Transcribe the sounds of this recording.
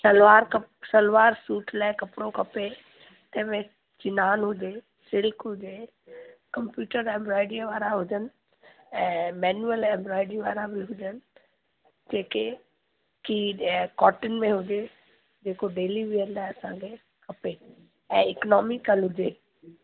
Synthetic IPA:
sɐlʋaːɾkəsəlʋaːɾsuːʈʰlaːɪkɐpɽõkɐpe | t̪ɛ̃ːmẽ | t͡ʃɪnaːnɦʊd͡ʒe | sɪlkɦʊd͡ʒe | kɐmpjuːʈəɾɛ̃ːmbɾɔːɪɖiʋaːɾaɦʊd͡ʒən | ɛ̃ːmɛːnuəlɛ̃ːmbɾɔːɪɖiʋaːɾabʱiɦʊd͡ʒən | d͡ʒeːke | kikɔːʈɪnmẽɦʊd͡ʒe | d͡ʒeːkoɖeːlibiənd̪aːɐsãkʰe | kɐpe | ɛ̃ːɪknɔːmɪkəlɦʊd͡ʒeː

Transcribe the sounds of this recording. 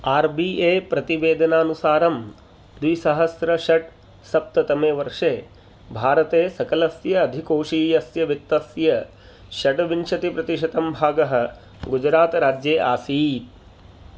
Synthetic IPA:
aːɾbiʔeːpɾɐt̪iʋeːd̪ʱɐnaːnusaːɾɐm | d̪ʋisɐɦɐsɾɐʃɐʈ | sɐp̚t̪ɐt̪ɐmeːʋɐɾʂeː | bʱaːɾɐt̪eːsɐkɐlɐsjɐːd̪ʱikoːʂiːjɐsjɐʋit̪ːɐsjɐ | ʃɐʈʋinʂɐt̪ipɾɐt̪iʂ̬ɐt̪ɐmbʱaːɡɐɦɐ̆ | ɡud͡ʒɾaːt̪ɾaːd͡ʒjeːʔaːsiːt̪̚

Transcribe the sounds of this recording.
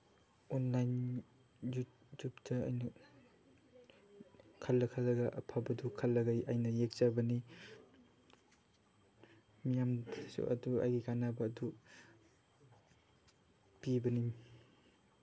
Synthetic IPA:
onlajn | ju | tupdɐajnɐ | kʰɐlːɐkʰalːɐɡɐʔɐ̰pʰabɐdukʰɐlːɐɡajajnɐjek̚zabɐni | mijamdsṵʔɐ̰dua̰jɡiɡanabɐːdu | pibɐnim

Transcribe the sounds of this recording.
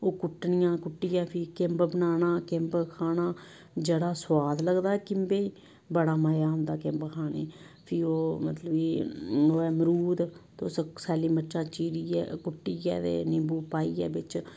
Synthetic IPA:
oːkʊʈnɪjãːkʊʈːiːɛːpʰɪkɪmbbənaːnaːkɪmbkʰaːnaː | d͡ʒəɽaːswaːd̪ləɡd̪aːɛːkɪmbeːiː | bəɽaːmaːjaːɦʊ̃nd̪aːkɪmbkʰaːnḛː | pʰɪoːmət̪ləbiːoːɛːmɾuːd̪t̪ːssɛːliːmətːʃãːt͡ʃiːɾiːɛ̰ːkʊʈːiːɛ̰ːt̪ḛːnɪmbuːpaːiːɛ̰ːbɪt͡ʃ

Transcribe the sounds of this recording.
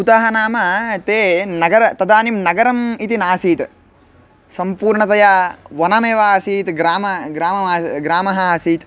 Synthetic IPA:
ut̪aɦɐnaːmɐt̪eːnɐɡɐɾɐt̪ɐd̪aːnimnɐɡɐɾɐmit̪inaːsiːt̪ | sɐmpuːɾɳɐt̪ɐjaːʋɐnɐmeːʋaːsiːt̪ɡɾaːmɐɡɾaːmɐmaːɡɾaːmɐɦɐsiːt̪

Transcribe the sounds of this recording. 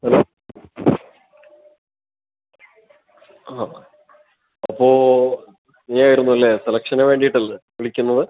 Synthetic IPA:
ɐloː | aː | ɐpːo̞ː | iːaːjiɾunːuɐlːe̞selɐkʂɐneʋe̞ːɳɖijiʈːɐlːeʋiɭikʲːunːɐðɨ

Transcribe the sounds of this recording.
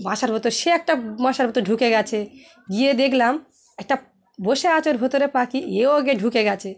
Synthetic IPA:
bãʃaɾbʱot̪oʃeɛk̚ʈabãʃaɾbot̪oɖʱukeɡɛt͡ɕʰe | ɡijed̪ekʰlam | ɛk̚ʈa | boʃeat͡ɕoɾbʱot̪oɾepakieoaɡeɖʱukeɡɛt͡ɕʰe

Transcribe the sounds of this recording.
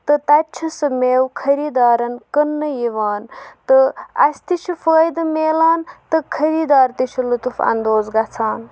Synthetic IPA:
t̪ɨt̪atːt͡ʃʰɐsɐmeːwkʰɐɾiːd̪aːɾɐnkənːɨjiʋaːnt̪ɨa̰st̪it͡ʃʰufəːjd̪ɨmeːlaːnt̪ɨkʰɐɾiːd̪aːɾt̪it͡ʃʰulut̪ufa̰nd̪oːd͡zɡat͡sʰaːn

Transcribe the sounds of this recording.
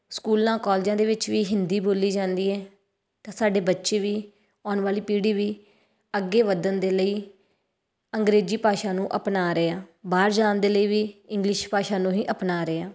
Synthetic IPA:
skuːlãːkɔːld͡ʒãːd̪eːʋɪt͡ʃʋiːɦɪnd̪iːboːliːd͡ʒãːnd̪iːɛː | t̪ãːsaːɖeːbətːʃeːʋiː | ɔːɳʋaːliːpiːɽiːʋiː | əɡːeːʋəd̪ənd̪eːləiː | əŋɡɾeːd͡ʒiːpaːʃaːnũːʔəpnaːɾeaːbaːɾd͡ʒaːnd̪eːləiːʋiːɪŋɡlɪʃpaːʃaːnũːɦĩːʔəpnaːɾeːaː

